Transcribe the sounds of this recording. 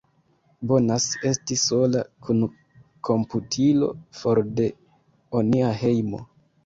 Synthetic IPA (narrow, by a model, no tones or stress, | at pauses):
bo̞nase̞stiso̞lakʰun | kʰo̞mputʰilo̞̰foɾde̞ | oniaɦe̞jmo̰